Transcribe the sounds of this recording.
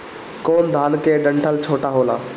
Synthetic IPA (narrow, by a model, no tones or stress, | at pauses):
koːnd̪ʱaːnkeːɖə̃ɳʈʰəlt͡ɕʰoːʈaɦoːlaː